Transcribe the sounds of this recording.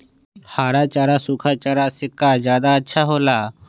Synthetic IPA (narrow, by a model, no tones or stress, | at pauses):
haːɽaːt͡ʃaːɽaːsuːkʰaːt͡ʃaːɽaːsɪkːaːzjaːd̪aːətːʃʰaːɦoːlaː